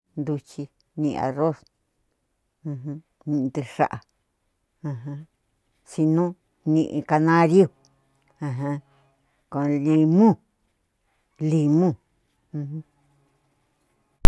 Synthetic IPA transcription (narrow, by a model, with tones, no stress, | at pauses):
nd̪u˧t͡ʃi˧ | nḭ̃˧a̰˨ro˦s | ũ˧ɦũ˧ | nĩ˧t̪e˧ʂa̰˦ʔa˨ | ã˧ɦã˧ | si˧nũ˦ | nĩ˧ʔḭ̃˧ka˧nã˦ɾju˦˨ | ã˧ɦã˧ | kõ˧li˧mũ˦ | li˧mũ˦˨ | ũ˧hũ˦